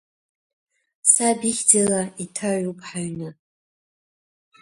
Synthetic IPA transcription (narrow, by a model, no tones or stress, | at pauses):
sabiχʲd͡zalaitʰaʕupʰʼħaɥnɨ